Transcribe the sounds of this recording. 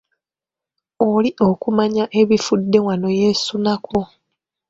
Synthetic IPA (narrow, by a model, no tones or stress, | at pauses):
oliʔo̞kumaɲaʔe̞βifudːe̞wano̞je̞ːsunakʰo